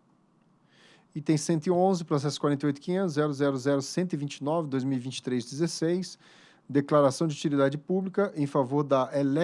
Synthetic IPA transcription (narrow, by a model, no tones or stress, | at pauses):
it̪ẽj̃sẽnt̪ʊɪõzɪpɾos̬ɛsʊ̥kwaɾẽnt̪eojt̪ʊkĩɲẽnt̪ʊzɛɾʊzɛɾʊzɛɾʊsẽnt̪ʊivĩt͡ʃɪnɔvɪd̪ojzmiwivĩnt͡ʃɪ̥t̪ɾejzd͡ʒ̪ezesejs | d̪eklaɾasɐ̃w̃d͡ʒɪut͡ʃilid̪ad͡ʒɪpublikɐʔẽj̃favoɾd̪ɐelɛ